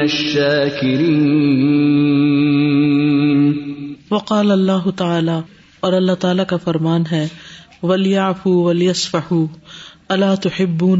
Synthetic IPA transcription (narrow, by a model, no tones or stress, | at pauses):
ɐʃːaːkɪɾiː | ʋɐqɑːlɐlːaːɦʊt̪ɐaːlaː | ɔːɾɐlːat̪aːlakafɐɾmaːnɦɛːʋɐljaʕfuwɐljɐsfɐħuːɐlaːt̪ʊħɪbːuːn